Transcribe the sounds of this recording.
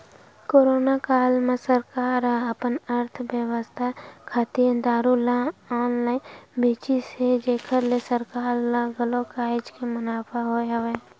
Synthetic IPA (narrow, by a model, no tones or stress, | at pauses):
koːɾoːnakaːlmẽsəɾkaːɾaəpənəɾt̪ʰbjəʋəst̪ʰakʰaːt̪iənd̪aːɾulãɔːnlaːɪnbeːt͡ʃised͡ʒeːkʰəɾlesəɾkaːɾlãɡəlokaːɪd͡ʒkemʊnaːpʰaɦojɐʋe